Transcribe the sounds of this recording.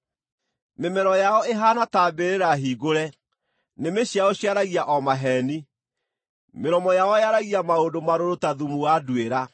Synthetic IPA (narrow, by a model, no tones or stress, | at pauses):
memɛɾɔjaɔeɦanataːbeɾeɾaɦiːɡoɾɛ | nemeɕiaoɕiaɾaɣiaʔɔmaɦɛni | meɾɔmɔjaɔjaɾaɣiamaodomaɾoɾotaðumuwaduweɾa